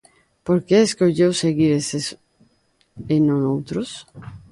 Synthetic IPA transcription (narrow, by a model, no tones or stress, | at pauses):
poɾkeeskoʎewseɣiɾeses | enõnowt̪ɾos